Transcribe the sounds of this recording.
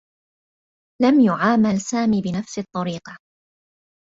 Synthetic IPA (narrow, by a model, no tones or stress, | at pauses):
lamjʊʕaːmalsaːmiːbɪnafsɪt̪ˤːɑɾiːqɑ